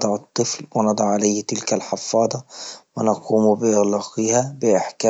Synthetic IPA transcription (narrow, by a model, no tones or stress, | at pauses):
d̪ˤɑʕɑt̪ˤːɨflwɪnɑd̪ˤɑʕʕalajht̪ɪlkalħɪfɑːd̪ˤɑwɪnɑquːmbɪʔɪɣlɑːqihabɪʔɪħka